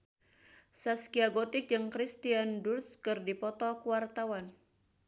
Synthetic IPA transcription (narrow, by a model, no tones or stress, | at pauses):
saskiaɡot̪ɪk̚d͡ʒɨŋkɾist̪iandurskɨrdipɔt̪ɔkuwart̪awan